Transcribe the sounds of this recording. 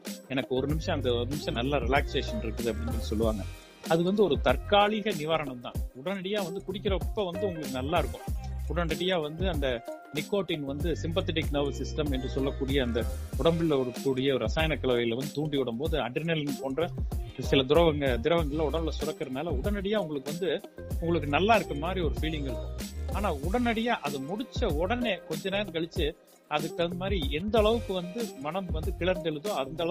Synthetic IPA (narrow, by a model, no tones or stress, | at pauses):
ɛnɐkːɯɔɾɯnɪmɪʂɐ̃ɐnd̪ɐɔnɪmɪʂɐ̃nɐlːaːɾɪlaːkseːʂɐnɪɾɯkːɐðɯɐpːɐɽɪ̃ŋɡɐnːɯsɔlːɯʋaːŋɡɐ | ɐðɯʋɐnd̪ɯɔɾɯt̪ɐɾkaːɭɪɣɐnɪʋaːɾɐɳɐmt̪ã̰ːʊɽɐnɐɽɪjaːʋɐnd̪ɯkʊɽɪkːɪɾɐpːoʋɐnd̪ɯʊŋɡɐɭɯkːɯnɐlːaːɪɾɯkːʊ̃ʊɽɐnɪɽɪjaːʋɐnd̪ɯɐnd̪ɐnɪkːoːʈːɪŋʋɐnd̪ɯsɪmpɐt̪ɪʈɪkːnɐːʋɐsɪsʈɐmɛndrɯsɔlːɐkːuːɽɪjɐːnd̪ɐʊɽɐmbɪlɯkːuːɽɪjɐɔɾɯɾɐsaːjɐnɐkːɐɭɐʋɐjɪlʋɐnd̪ɯt̪uːɳɖiʊɽɐmpoːðɯɐɖɾɪnɐlɪnpoːnɖrɐsɪlɐd̪ʊɾɐʋɐŋɡɐd̪ɪɾɐʋɐŋɡɐɭɪlaʊɽɐmbɪlɐsʊɾɐkːɾɐðnaːlɐʊɽɐnɐɽɪjaːʊŋɡɐɭɯkːɯʋɐnd̪ɯ | ʊŋɡɐɭɯk̬ːɯnɐlːãːɪɾɯkːɐmaːd̪ɾiɔɾɯfiːlɪŋɡɐɾɯaːnaːʊɽɐnɐɽɪjaːʔɐðɯmʊɽɪt͡ʃːɐɔɽɐneːkɔɲd͡ʒɐneːɾɯkɐɭɯt͡ʃːɯ | ɐðɯkːɐmaːd̪ɾiɛnd̪ɐɐɭɐʋɯkːɯʋɐnd̪ɯmɐnɐmʋɐnd̪ɯkɪɭɐɾnd̪ɛɭɯðõːɐnd̪ɐɭɐ